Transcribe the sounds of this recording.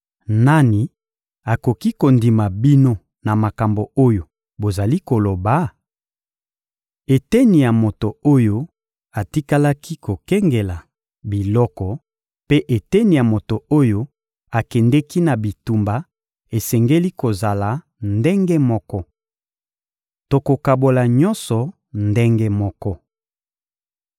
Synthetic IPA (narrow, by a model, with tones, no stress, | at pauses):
na˦ni˨ | a˨ko˨ki˦ko˨ndi˨ma˨bi˦no˦ | na˨ma˨ka˨mbo˨o˦jo˨ | bo˨za˨li˦ko˨lo˨ba˨˦ | e˨tɛ˦ni˨ja˨mo˨to˨o˦jo˦ | a˨ti˦ka˦la˦ki˦ko˨kɛ˦ŋɡe˨la˨ | bi˨lɔ˦kɔ˨ | pe˦ʔe˨tɛ˦ni˨ja˨mo˨to˨o˦jo˦ | a˨kɛ˨ndɛ˦ki˦na˨bi˨tu˨mba˨ | e˨sɛ˨ŋɡe˦li˦ko˨za˨la˨ | nde˦ŋɡe˦mɔ˦kɔ˦ | to˨ko˨ka˨bo˨la˨ɲɔ̃˦nsɔ˨ | nde˦ŋɡe˦mɔ˦kɔ˦